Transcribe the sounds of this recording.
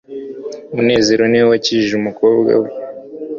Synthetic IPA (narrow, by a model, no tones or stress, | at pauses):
mune̞ːze̞ɾo̞niwwaciiʒumukoːbɡa̰we